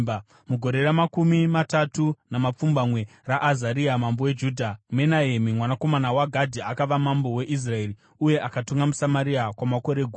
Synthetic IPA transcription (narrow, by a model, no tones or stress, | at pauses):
muɡʱo̞ɾe̞ɾamakumimatatunamap͡fumbamwe̞raʔːzaɾiamambowed͡ʒudʱame̞naemimwanako̞manawaɡʱadʱiakaʋamambo̞we̞ʔis̬rae̞ri | uje̞ʔakatuŋɡamusamaɾiakwamako̞ɾe̞ɡʱu